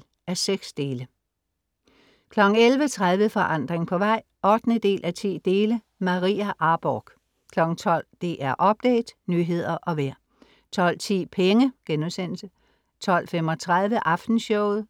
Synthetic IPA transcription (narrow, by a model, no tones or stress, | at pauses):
æɐseɡ̥sd̥e̝ːlə | kʰlɒ̽ɡ̥ŋ̩elʋət͡sʰʁað̞ˠʋəfɒ̽ʔɑ̈n̰d̥ʁeŋpʰɒ̽ʋɑ̈ɪ̰ | ʔɒ̽d̥nəd̥e̝̰ːlʔæt͡sʰḭːd̥e̝ːlə | mɑʁḭːæʔɑ̈ːb̥ɒːɡ̥ | kʰlɒ̽ɡ̥ŋ̩t͡sʰɒ̽l̰d̥e̝ʔæɐʔɒ̽b̥̚d̥ɛ̰ɪd̥nyːɦe̝ð̞̰ˠɐʔɒ̽ʋæɐ̰ | t͡sʰɒ̽l̰t͡sʰḭːpʰeŋəɡ̥enuðˠsen̰l̩sə | t͡sʰɒ̽l̰femɒ̽t͡sʰʁað̞ˠʋəʔɑ̈fd̥n̩ɕɔʊð̩ˠ